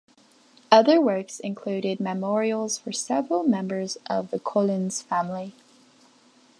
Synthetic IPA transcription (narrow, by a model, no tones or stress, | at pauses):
ʌðə˞wɜ˞ksɨ̃nkʰl̥ʉɾɪd̚mɨmɔɹiəl̩ˠz̥fə˞sɛvɹəl̩ˠmɛ̃mbə˞zʔʌvðəkʰɔlˠɪ̃nz̥fæ̃mli